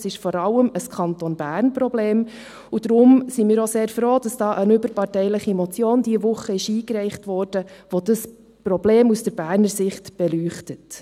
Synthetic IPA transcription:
sɪʃfɔɾɑlːəməskʰɑntonb̥æːrnpɾɔbleːm | ud̥ɾʊmsimɪːɾoseːɾfɾoːd̥ɑsd̥ɑːʔənʏbəɾpɑrtɛɪləχimɔt͡sjoːndiəvʊχəɪʃiːkɾɛɪχtʋɔːɾd̥əʋodəs | pɾɔbleːmusd̥əɾb̥æːɾnəɾsɪχtb̥ɛlyːχtət

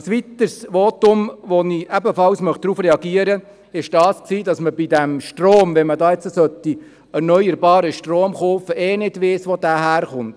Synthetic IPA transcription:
sʋit̪əɾsʋoːtʊmʋoniʔɛbəfɑlsmœχd̥̪ɾuːfrɛɑɡiəɾə | ɪʃd̥ɑːsksiːdɑsməbidæmʃtroːmʋɛnmədɑːɛt͡səsœt̪i | ɛɾnœʏəɾbɑːɾəʃtroːmχoːfəʔeːnɪdʋɪːsʋodæːɦæːɾχʊnt

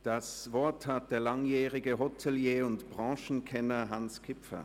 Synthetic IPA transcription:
d̥asvɔɐthat̚d̥eːɐlaŋjɛːʁɪɡəɦɔtʰɛljeːʊntb̥ʁɑ̃ːʃn̩kʰɛnɐɦanskʰɪpfɐ̰

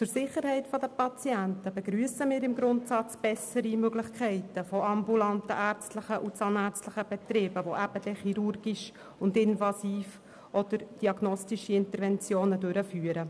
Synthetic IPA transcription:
t͡sʊɾsɪχəɾhɛɪtfɔdəpɑt͡siæntəbɛɡɾyəsəmɪːɾɪmɡɾʊntsɑt͡sb̥ɛsəɾimøɡlɪχkʰɛɪtəfɔɑmbulɑntə̰ʔæːɾt͡stləχəʔut͡sɑnæɾt͡stləχəb̥ɛt̪ɾɪːb̥əʋoʔæb̥əd̥ɛχiɾurɡ̥iʃ | ʊndɪnvɑsiːf | ʔɔd̥̪əɾd̥iɑɡnɔstiʃiɪntəɾvɛnt͡sjoːnədøɾəfyːəɾə

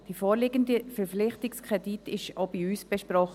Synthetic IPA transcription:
d̥ifoːɾlɪɡəndəfɛɾflɪχtɪkskʁɛditɪʃobiyːsb̥ɛʃpɾɔχ

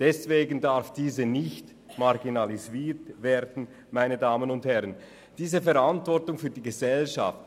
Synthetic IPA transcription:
d̥ɛsveːɡən̩daɾfd̥iːzənɪçt | maʁɡinaliziːtveːɐdn̩ | maɪnədaːmənʊnthɛʁən | d̥iːzəfɛʁantvɔʁtʊŋfyːɐdiːɡəzɛlʃa̰ft

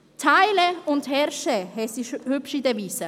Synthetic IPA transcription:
tʰaɪləʊntɦɛɾʃɛhɛsiʃhʏpʃidəviːsə

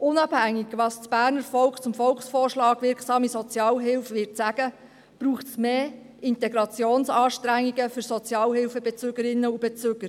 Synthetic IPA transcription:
ʔʊnɑb̥hæŋːiɡ̥ʋɑːst͡sb̥æːrnəɾfɔlkt͡sʊmfɔlksfɔːrʃlɑːɡʋɪɾkʰsɑːmisɔt͡sjɑːlɦɪlfʋɪtt͡sæɡ̥ə | b̥ɾuːχtsmeː | ɪntɛɡɾɑt͡sjoːnsɑːʃtɾæŋːiɡəfʏɾsɔt͡sjɑːlɦɪlfəbɛt͡søɡəɾɪnːəub̥ɛt͡søːɡ̥əɾ

